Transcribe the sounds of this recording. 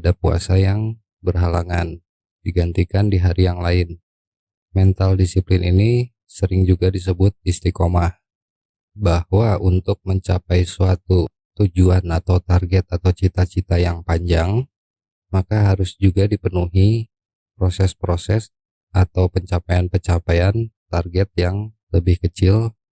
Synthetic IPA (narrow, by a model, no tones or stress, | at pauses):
dapua̰sajaŋ | bərɦalaŋan | diɡant̪ikandiɦaɾijaŋlaɪn | mɛnt̪aldisiplɪnini | səɾɪŋd͡ʒuɡadis̬əbʊt̪̚ist̪ɾikomah | bahwaunt̪ʊk̚məɲt͡ʃapajsuat̪u | t̪ud͡ʒuanat̪awt̪arɡɛt̪̚at̪awt͡ʃit̪at͡ʃit̪ajaŋpaɲd͡ʒaŋ | makaɦaɾʊsd͡ʒuɡadipənuɦi | pɾosɛspɾosɛs | ʔat̪awpəɲt͡ʃapajanpət͡ʃapajant̪arɡɛt̪̚jaŋ | ləbɪhkət͡ʃɪl